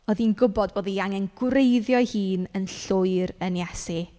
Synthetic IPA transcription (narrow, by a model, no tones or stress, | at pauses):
ɔðinɡʊbɔdboːðiaŋɛnɡ̥wrejðjɔjhiːnənɬʊɨɾənjɛsi